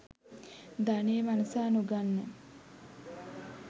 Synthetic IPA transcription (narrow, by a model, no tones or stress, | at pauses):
d̪aneːmanusaːnuɡanːe